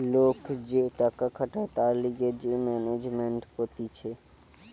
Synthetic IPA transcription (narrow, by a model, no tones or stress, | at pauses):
lokd͡ʑeʈakakʰaʈat̪aɾliɡed͡ʑemɛned͡ʑmeɳʈkot̪it͡ʃʰe